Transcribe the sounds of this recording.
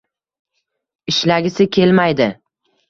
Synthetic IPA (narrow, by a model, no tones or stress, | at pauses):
ɪʃlaɡʲɪsɪkʲʰe̞lmajd̪ɪ